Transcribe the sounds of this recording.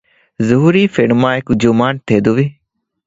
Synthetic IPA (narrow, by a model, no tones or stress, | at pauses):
zəɦuːɾiːfʰɪɽmãːekd͡ʒomãːɳ̚t̪ʰeːd̪oːʋiː